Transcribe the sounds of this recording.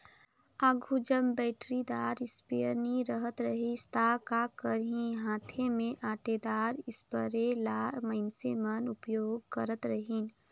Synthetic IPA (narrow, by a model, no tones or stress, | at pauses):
aːɡʱud͡ʒəmbɛːʈɾid̪aːɾɪspijəɾniɾəɦət̪ɾəɦist̪akakəɾɦĩɦãːt̪ʰemẽʔaːʈed̪aːɾɪspəɾelaːmɐɪnsemənʊpjoːɡ̚kəɾət̪ɾəɦiːn